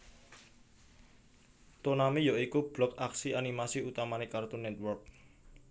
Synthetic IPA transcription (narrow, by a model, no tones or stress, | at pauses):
t̪onamijɔʔikub̥lɔkaksianimasiut̪amanekart̪unɛt̪̚wɔrk̚